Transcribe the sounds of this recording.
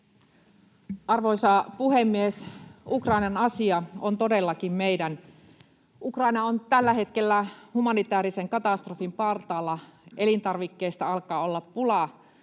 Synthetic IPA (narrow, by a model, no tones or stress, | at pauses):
ʔɑrʋojsɑpuhemːiesukrɑinɑnɑsiɑont̪o̞delːɑkimmejdæn | ukrɑinɑont̪ælːæhe̞t̪ke̞lːæhumɑnit̪æːɾiseŋkɑt̪ɑst̪rofimpɑrt̪ɑːlːɑʔelint̪ɑrʋikːeist̪ɑɑlkɑːo̞lːɑpːulɑ